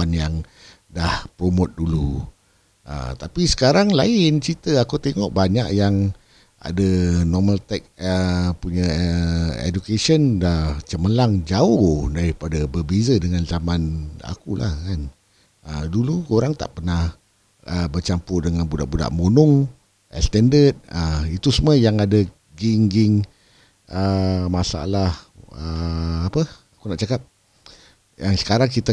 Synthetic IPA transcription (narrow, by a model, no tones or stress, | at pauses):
anjaŋ | dahpɾomʊt̪̚dulu | ʔə̰t̪apisə̥kaɾaŋlaɪnt͡ʃit̪əakut̪eŋɔ̰ʔbaɲaʔjaŋ | a̰dənɔməlt̪ɛk̚əpuɲə | ḛd͡ʒukesəndaht͡ʃəməlaŋd͡ʒaʊhdaɾipadabərbezədəŋanzamana̰kulʔa̰hkan | əduluoɾaŋt̪a̰ʔpərnah | əbərt͡ʃampʊdəŋanbuda̰ʔbuda̰ʔmonʊŋ | ɛ̰st̪ɛndət̪̚əit̪usuməjaŋada | ɡiŋɡiŋ | ʔəmasa̰lahəapəakunaʔt͡ʃakap̚ | jaŋsə̥kaɾaŋkit̪a